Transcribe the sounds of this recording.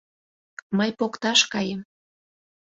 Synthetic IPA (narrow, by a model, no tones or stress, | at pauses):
məjpokt̪ɑʃkɑjem